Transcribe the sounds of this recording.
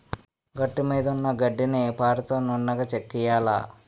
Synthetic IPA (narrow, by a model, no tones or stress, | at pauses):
ɡɐʈːimiːd̪ɐunːɐɡɐɖːinipaːɾɐt̪oːnuɳːɐɡɐt͡ʃekːijaːla̰